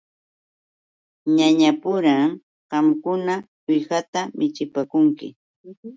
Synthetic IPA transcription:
ɲaɲapʊɾaŋ | ɢɑmkʊna | ɪjɢat̪amɪt͡ʃɪpakʊŋkɪ̰

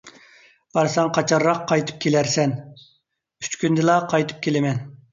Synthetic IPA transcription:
bɑɾsɑŋqʰɑt͡ʃʰɑɾːɑqʰːɑjt̪ʰɨ̥p̚kʲʰelæɾsɛn | y̥t͡ʃkʲynd̪ɪlˠɑqʰɑjt̪ʰɨ̥p̚kʲʰelɪmɛn

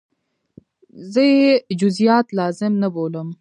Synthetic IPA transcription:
zəed͡ʒʊzijɑːt̪lɑːzɪmnɐboːləm

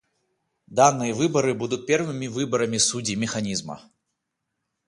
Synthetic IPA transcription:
d̪anːɨjɐvɨbɐɾɨbud̪ut̪̚ʲpʲɛrvɨmʲivɨbɐɾɐmʲisud͡zʲimʲɛxanʲizmɐ̰

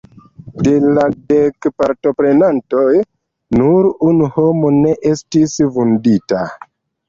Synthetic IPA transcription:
de̞ladekpaɾto̞pɾe̞nanto̞j | nuɾunuho̞mo̞ne̞ʔe̞stisvundita

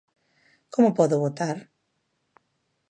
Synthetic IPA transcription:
komʊpɔðʊβot̪aɾ

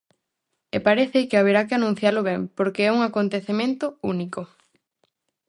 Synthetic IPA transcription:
epaɾeθɪkɪaβ̞eɾakɪanũn̟θjalʊβɛmpoɾkeɛuŋakont̪eθemẽnt̪ʊuniko

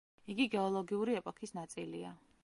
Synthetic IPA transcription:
iɡiɡɛɔlˠɔɡiuɾiɛpʼɔkʰisnat̪sʼilia

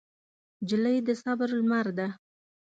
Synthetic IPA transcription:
d͡ʒɪləjd̪əsɑbaɾʊlmaɾd̪a

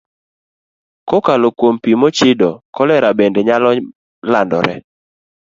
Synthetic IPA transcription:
kɔkalokwompimot͡ʃɪdɔkɔlɛɾabɛndɛɲalɔ | landɔ̰ɾɛ̰

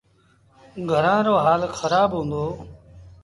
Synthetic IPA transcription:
ɡʱəɾãːɾoːɦaːlxəɾaːbɦũːnd̪oː

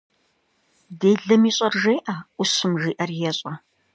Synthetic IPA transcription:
deːɮɐmiːɕʼɐrʒeːʔaʔʊsɨmʒiːʔɐrjɛɕʼɐ

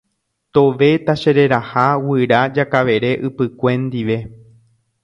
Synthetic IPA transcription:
t̪o̞ʋe̞t̪aʃe̞ɾe̞ɾahawɨɾad͡ʒakaʋe̞ɾe̞ʔɨpɨkʷẽ̞nd̪iʋe̞

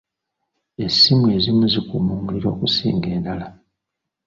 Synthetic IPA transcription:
e̞sːimueːzimuzikumuːmuliɾo̞ːkusḭːŋɡe̞ːndala

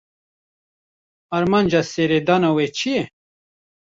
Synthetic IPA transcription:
ɐɾmanʲd͡ʒaseɾed̪anawet͡ʃʰije

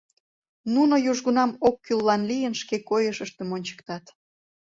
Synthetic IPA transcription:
nunojuʒɣunɑmokːylːɑnlijənʃkekojəʃəʃt̪emonʲt͡ɕə̥kt̪ɑt̪

